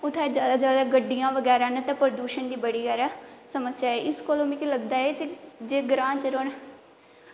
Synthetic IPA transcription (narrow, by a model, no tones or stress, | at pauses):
ʊt̪ʰːɛ̃d͡ʒjaːd̪aːd͡ʒjaːd̪aːɡəɖijãːʋəɡɛːɾaːnət̪ãːpɾəd̪uːʃənd̪iːbəɽiːɡɛːɾaːsəməsaːeʔɪskoloːmĩːkiləɡd̪aːeːt͡ʃd͡ʒeːɡɾãːt͡ʃəɾoːn